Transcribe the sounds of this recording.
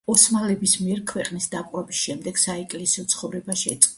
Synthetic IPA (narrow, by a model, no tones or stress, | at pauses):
ɔsmalɛbismiɛɾkʰwɛqʼnisd̪apʼwɛbisʃɛmd̪ɛɡ̥saɛkʼlɛsiɔt̪sʰχɔvɾɛbaʃɛt̪sʼ